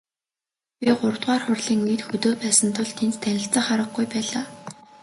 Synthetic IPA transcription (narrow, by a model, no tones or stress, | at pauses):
pʲiɢʊrt̪ʁaːrχʊrɮiːŋit̪xɵt̪oːpæːsə̆nt̪ʰʊɮt̪ʰent͡st̪ʰænʲɪ̆ɬt͡sə̆χaɾə̆ɡɡujpæːɮaː